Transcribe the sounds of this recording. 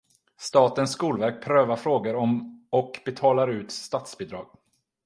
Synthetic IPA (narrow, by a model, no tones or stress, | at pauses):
st̪ɑːt̪ənsːkuːlvæɾk̚pʰɾøːvaɾfɾoːɡəɾɔmɔkbɛt̪ʰɑːlaɾʉ̟ːt̪st̪at̪sbɪd̪ɾɑːɡ̥̚